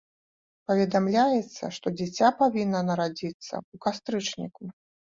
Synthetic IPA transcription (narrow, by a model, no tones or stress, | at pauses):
pɐvʲɛd̪amlʲajɛt̪sːɐ̰ʂt̪ɔd͡zʲɛt͡sʲapavʲinːɐnɐɾad͡zʲit̪sːɐ̰ukast̪ɾɨt͡ʂnʲḭku